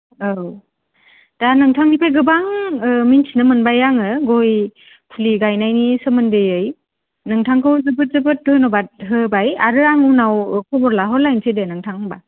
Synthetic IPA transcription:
ɯw | d̥anɯŋtʰaŋnipʰeɡɯbaŋɯminsʰinɯmɯnbajaŋɯɡoj | pʰuliɡajnajnisɯmɯndɯjɯj | nɯŋtʰaŋkʰɯwzɯbɯt̚zɯbɯt̚dojnɔbat̚ɦɯbajaɾɯɾaŋunawkʰɔbɔɾlaɦɔɾlajnsʰedenɯŋtʰaŋba

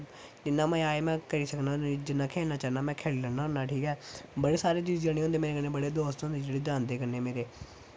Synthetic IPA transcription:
d͡ʒɪnːãːmɛ̃ːaːemɛ̃ːkəɾiːsəknaːd͡ʒɪnːaːkʰeːlnaːt͡ʃaːnaːmɛ̃ːkʰeːlːləɾnaːɦoːnaːʈʰiːkɛːbəɽeːsaːɾeːt͡ʃiːzəɽ̃ːõːnd̪eːmeːɾeːkənːeːbəɽeːd̪oːst̪ɦõːnd̪eːd͡ʒeːɽeːd͡ʒãːnd̪eːkəɾneːmeːɾeː

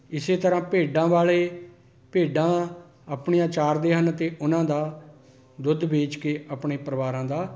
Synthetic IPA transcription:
ɪseːt̪əɾãːpeːɖãːʋaːɭeː | peːɖãː | əpɳijãːt͡ʃaːɾd̪eːɦənt̪eːʔʊnãːd̪aː | d̪ʊd̪beːt͡ʃkeːʔəpɳeːpɾəʋaːɾãːd̪aː

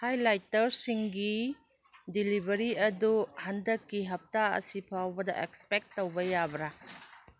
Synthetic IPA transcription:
hajlajtɐɾsiŋɡi | dilibɐɾiɐduhandɐkːiɦɐp̚taɐ̰sipʰawbɐdɐ̰ʔekspek̚tːowbɐjabɾa

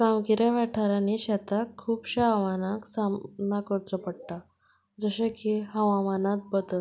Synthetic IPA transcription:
kamɡiɾjaʋɛʈʰaɾaniɕat̪akʰːuːpɕaaʋanaksamnakəɾt͡səpəɽʈa | d͡zəɕekiɦəʋamanat̪̚bət̪ə

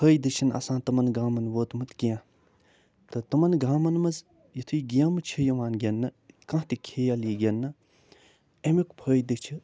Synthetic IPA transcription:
pʰəːjd̪ɨt͡ʃʰinɐ̰sãːt̪ɐmɐnɡaːmɐnʋoːt̪mɨt̪kijãː | t̪ɨt̪ɐmɐnɡaːmɐnmɐz | jit̪ʰuiɡijaːmɨt͡ʃʰijɐʋaːnɡʲɐnːɐkɐ̃ɦt̪ikʰeːjaliːɡʲɐnːɨ | emikpʰəːjd̪ɨt͡ʃʰi

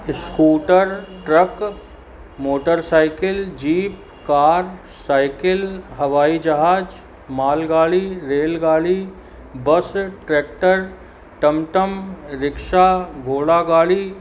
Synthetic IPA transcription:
ɪskuːʈəɾʈɾək | moːʈəɾsaːɪkɪld͡ʒiːp̚ | kaːɾ | saːɪkɪlɦɐʋaːid͡ʒɐɦaːd͡ʒ | maːlɡaːliɾeːlɡaːli | bəsʈɾeːk̚ʈəɾ | ʈəmʈəmɾɪkʃaɡʱoːɽaɡaːli

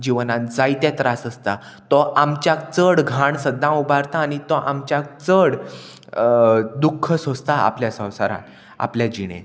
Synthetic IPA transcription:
d͡ʑiʋnãnd͡zajt̪at̪ɾasəst̪a | t̪ɔʔamt͡ɕjak̚t͡səɽɡʱaɳsəd̪ʱːãubaɾt̪aːɽ̃it̪ɔʔamt͡ɕjak̚t͡səɽ | d̪ukʰːəsost̪aa̰pljasə̃w̃sa̰ɾã̰n | a̰pljad͡ʑiɽ̃ḛ̃

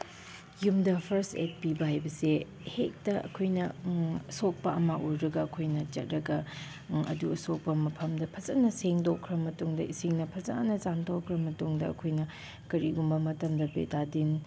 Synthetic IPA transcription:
jumdɐpʰɐɾstḛt̚pibɐɦajbɐse | hek̚tɐʔɐ̰kʰojnɐɐsok̚pɐʔɐmɐʔuɾɾɐɡɐɐkʰojnɐt͡ʃɐ̰t̚ɾɐɡɐ | ɐ̰duɐsok̚pɐmɐpʰɐmdɐpʰɐt͡ʃɐtnːɐseŋdokʰːɾɐmɐtuŋdɐiseŋnɐpʰɐza̰nɐzamtʰokʰːɾɐmɐtuŋdɐɐ̰kʰojnɐ | kɐɾiɡumbɐmɐtɐmdɐpḛtadin

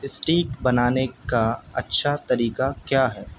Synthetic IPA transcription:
ɪsʈiːkbɐnaːnekaɐ̰tːʃʰat̪ɐɾiːkakjaːɦɛː

